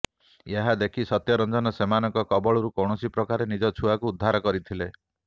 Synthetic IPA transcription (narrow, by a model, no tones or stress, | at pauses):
jeɦad̪ekʰisɔt̪jɔɾɔnd͡ʒɔnɔsemanɔŋkɔkɔbɔɭɔɾukɔwɳɔsipɾɔkaɾenid͡ʒɔt͡ʃʰuakuːd̪ʱːaɾɔkɔɾit̪ʰile